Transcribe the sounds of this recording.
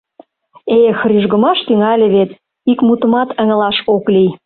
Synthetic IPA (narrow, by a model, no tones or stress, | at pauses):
exɾyʒɣə̆mɑʃt̪yŋɑlʲĕβet̪ | ikmut̪ə̆mɑt̪ə̆ŋə̆lɑʃoklij